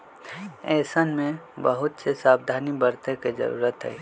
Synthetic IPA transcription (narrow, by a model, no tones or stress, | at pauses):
ɛːsənmẽbəɦʊt̪sesaːbd̪ʱaːnibəɾt̪eked͡ʒə̰ɾṵːɾət̪ɦɛ̰ː